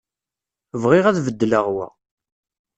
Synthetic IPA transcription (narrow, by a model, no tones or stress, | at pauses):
vʁiʁæðvəd̪ːələʁwæ̰